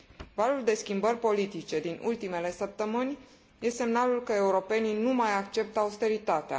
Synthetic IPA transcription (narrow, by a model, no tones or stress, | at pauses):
valuld̪e̞skʲimbərʲpo̞lit̪it͡ʃe̞d̪inṵlt̪ime̞le̞səp̚t̪əmɨnʲ | je̞se̞mnalulkəe̞uɾo̞pe̞ninumajakt͡ʃe̞p̚t̪əaust̪e̞ɾit̪at̪ea̰